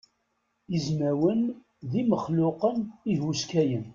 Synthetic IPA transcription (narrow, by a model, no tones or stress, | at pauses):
izmæwən | ðiməχlʊqənihwuskæjən